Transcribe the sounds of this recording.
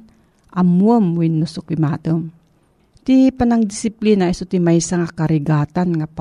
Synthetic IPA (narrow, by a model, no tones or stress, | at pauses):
ʔamuəmwinːusʊkimaːt̪om | t̪ipanaŋd̪isiplinaisot̪imajsaŋakaɾiɡaːt̪anŋap